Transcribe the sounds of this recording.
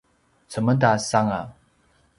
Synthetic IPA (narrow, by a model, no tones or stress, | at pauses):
t͡səmədasaŋa